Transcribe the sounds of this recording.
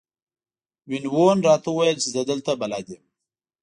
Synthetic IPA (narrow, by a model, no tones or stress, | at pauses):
wɪnwonɾɑt̪auwajəlt͡ʃɪzəd̪əlt̪abalɑd̪em